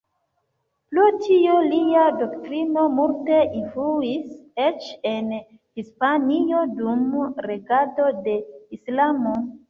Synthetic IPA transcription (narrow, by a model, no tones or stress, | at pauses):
plutʰioliado̞ktɾino̞multe̞ʔinfluiset͡ʃe̞n | hispanio̞dumɾe̞ɡado̞de̞islamo